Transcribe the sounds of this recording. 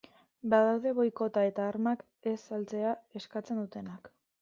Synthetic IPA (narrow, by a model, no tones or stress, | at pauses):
baðawðe̞βo̞jko̞t̪ae̞t̪aːɾmak | e̞salt͡se̞ae̞skat͡se̞nd̪ut̪e̞nak